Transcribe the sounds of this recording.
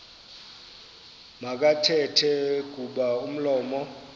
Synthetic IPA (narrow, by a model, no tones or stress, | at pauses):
mak̬ʼatʰɛtʰɛk̬ʼuɓaum̩lɔːmɔ